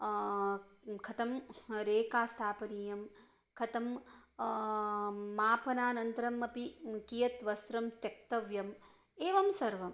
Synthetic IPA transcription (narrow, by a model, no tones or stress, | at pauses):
kʰɐt̪ɐmɾeːkaːst̪ʰaːpɐniːjɐm | kʰɐt̪ɐm | aːpɐnaːnɐnt̪ɐɾɐmɐpikijɐt̪ʋɐst̪ɾɐmt̪jɐk̚t̪ɐʋjɐm | eːʋɐmsɐɾʋɐm